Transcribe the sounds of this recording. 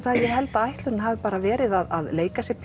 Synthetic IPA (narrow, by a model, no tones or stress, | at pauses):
θajɛɦɛlt̪aajht̪lʏɾɪnhaːvɪpaːɾavɛːɾɪðaðaðleːjkasjɛpʰ